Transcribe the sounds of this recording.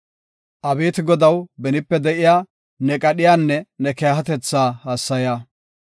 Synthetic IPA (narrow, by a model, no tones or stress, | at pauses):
ʔɐbe̞ːt̪ɪɡɔd̪ɐwbɛnɪpːɛd̪ɛʔɪjaː | nɛkʼɐɗɪjaːnːɛnɛkejɦɐt̪ɛt͡sːaːhaːsːɐjaː